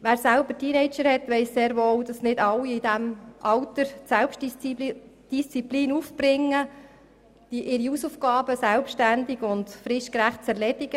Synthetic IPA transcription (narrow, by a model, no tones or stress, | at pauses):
ʋæːɾsælbətʰinɛɪt͡ʃəɾhɛtʋɛɪsseːɾʋoːld̥ɑsnɪdɑlːiɪd̥æmʔɑlt̪əɾsɛlpʃt | d̥ist͡sipliːnuːfb̥ɾɪŋːə | d̥iʔɪɾiusufɡɑːbəsælpʃtændiɡʊntfɾɪʃkɾæχt̚t͡sɛɾlɛdɪɡ̥ə